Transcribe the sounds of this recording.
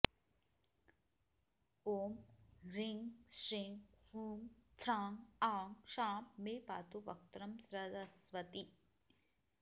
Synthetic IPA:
oːmɾiŋʃiŋhuːmt̪ʰɾaːŋaːŋʃaːmːeːpa̰ːt̪uʋɐ̰k̚t̪ɾɐmsɾɐd̪ɐsʋɐt̪i

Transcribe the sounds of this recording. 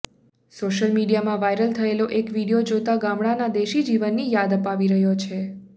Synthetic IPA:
soʃəlmiɽijamãʋajɾəlt̪ʰəeloʔekʋiɽijod͡ʒot̪aɡãmɽanad̪eʃid͡ʒiʋənːijad̪əpaʋiɾəɦjot͡ʃʰe

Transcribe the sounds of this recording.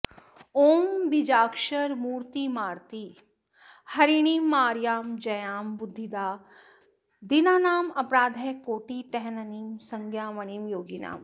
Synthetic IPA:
oːmbid͡ʒaːkʃɐɾmuːɾt̪imaːɾt̪i | hɐɾiɽ̃iːmːaːɾjaːmd͡ʒɐjaːmbʊd̪ʱːid̪aː | d̪inaːnaːmɐpɾaːd̪ʱekoːʈiʈɛɦnɐnimsɐŋɡʱjaːʋɐñimjoːɡina̰ːm

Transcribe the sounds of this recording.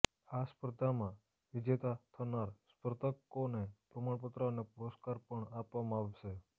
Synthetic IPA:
aspɾəd̪ʱamã | ʋid͡ʒet̪at̪ʰənaɾspɾət̪əkːonepɾəmaɳp̬ət̪ɾanepuɾəskaɾpəɳapʋamãaʋʃe

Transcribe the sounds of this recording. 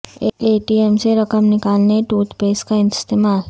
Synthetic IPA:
eʈiemseɾəkəmnɪkalneʈut̪peːskaɪnst̪emal

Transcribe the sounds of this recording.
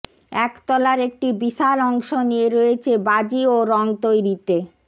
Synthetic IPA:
ɛkt̪ɔlaɾek̚ʈibiʃalɔŋʃonijeɾoet͡ɕʰebad͡ʑioɾɔŋt̪ojɾit̪e

